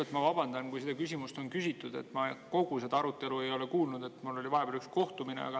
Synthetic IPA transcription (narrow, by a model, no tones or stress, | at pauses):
et̪mɑvɑb̥ɑnd̪̥ɑnkujsed̪ɑkysimust̪o̞nkysʲit̪ːˑud̪̥e̞̰t̪ːˑmɑko̞ɡ̥use̞d̪̥ɑɑɾut̪ːˑe̞lue̞jo̞le̞kuːlnud̪̥e̞t̪mulːo̞lʲivɑeb̥eɾyksko̞ht̪umine̞̰ɑ̰ɡ̥ɑ